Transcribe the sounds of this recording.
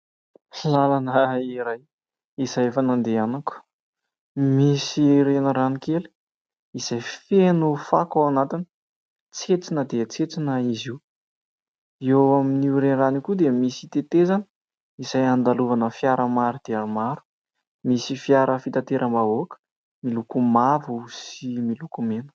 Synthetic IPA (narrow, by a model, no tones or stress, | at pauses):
lalanəiɾaj | iz̥ajfanand̪eanaku̥ | misiɾenəɾanikelu̥ | iz̥ajfenufakawanat̪inə̥ | t͡set͡sinəd̪et͡set͡sinəiziw | ewaminiɾenranikud̪emisi̥t̪et̪ezanə̥ | izajand̪aluvanəfijaɾəmaɾud̪̥eanmaɾu̥ | misifiaɾʔəfit̪at̪eɾʔəmbavokə̥ | milukumavuusimilukumenə̥